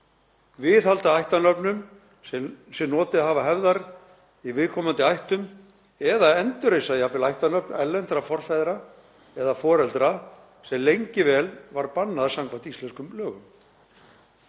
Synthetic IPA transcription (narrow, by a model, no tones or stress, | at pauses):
vɪðhalt̪aajht̪anœpnʏm | sɛmnɔːt̪ɪaɦavaɦɛvðaɾ | ivɪðkʰɔːmant̪ɪajht̪ʏm | ɛðaɛnt̪ʏɾejsaðiapvɪlajht̪anœpnɛlːɛnt̪ɾafɔr̥fajðɾa | ɛðafɔːɾɛlt̪ɾa | sɛmlejɲcɪvɛːlvaɾpanːaðasaŋkʰvant̪ist̪ɛnskʏmlœːɣʏm